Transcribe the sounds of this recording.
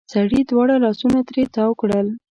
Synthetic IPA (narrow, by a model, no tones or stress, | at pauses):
saɽid̪wɑɽalɑsunat̪ɾet̪ɑwkɽəl